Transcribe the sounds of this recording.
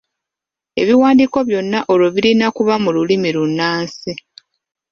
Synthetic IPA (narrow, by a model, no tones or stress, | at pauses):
e̞̰βiwaːndiːko̞βjo̞nːaʔoloβiɾinakuβamululimilunːaːnsi